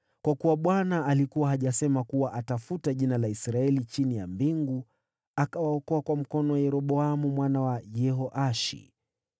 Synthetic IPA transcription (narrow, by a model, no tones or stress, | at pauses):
kwakuwaɓwanaːlikuwahaʄasɛmakuwaʔatafutaʄinalaisɾaɛlit͡ʃinijambiŋɡu | akawaɔkɔakwam̩kɔnɔwajɛɾɔɓɔamumwanawajɛɦɔʔaʃḭ